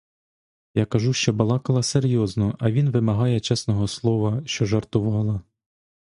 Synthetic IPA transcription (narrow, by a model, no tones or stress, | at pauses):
jɑkɐʒuʃt͡ʃɔbɐlˠɑkɐlˠɐseɾʲjɔznɔɐʋʲinʋɪmɐɦɑjɛt͡ʃɛsnɔɦɔslˠɔʋɐʃt͡ʃɔʒɐrt̪ʊʋɑlˠɐ